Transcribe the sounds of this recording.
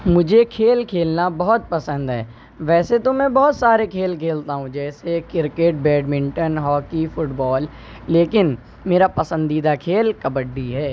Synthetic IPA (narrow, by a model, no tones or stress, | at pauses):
mʊd͡ʒʱekʰeːlkʰeːlnabɔɦɔt̪̚pɐsə̃nd̪ɦɛ̰ː | ʋɛːset̪omɛ̃bɔɦɔt̪saːɾekʰeːlkʰeːlt̪aɦũd͡ʒɛːsekɪɾkeʈ̚bɛːɖmɪ̃ɳʈənɦɔːkifʊʈbɔːlː | eːkɪn | meːɾapɐsə̃nd̪iːd̪akʰeːlkɐbəɖːiɦɛː